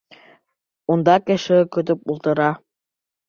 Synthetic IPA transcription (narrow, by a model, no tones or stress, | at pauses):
und̪ɑkɘ̆ʃɘkɵ̆t̪ɵpulˠt̪ɤ̆ɾɑ